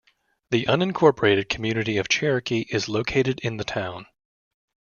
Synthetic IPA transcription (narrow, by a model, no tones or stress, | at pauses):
ðiʔʌ̃nɨ̃nkʰɔɹpə˞eɪɾɨd̚kʰmjʉnɨɾiʌv̥t͡ʃʰɛɹɨkiʔɪzloʊkʰeɪɾɨɾɪ̃nðɨtʰãʊ̃n